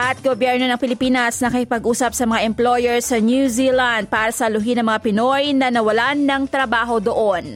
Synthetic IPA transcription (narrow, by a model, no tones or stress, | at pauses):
ʔɐt̪̚ɡobjɛɹno̞nɐŋpɪlɪpiːnɐsnɐkɐkɪpɐɡʔuːsɐp̚sɐmɐŋaʔɛmplojɛɹsɐnjuziland̪̚paːɾɐsɐlʊɦinɐŋmɐŋapɪnojnɐnɐwɐlanːɐŋt̪ɾɐbaːɦo̞d̪oʔon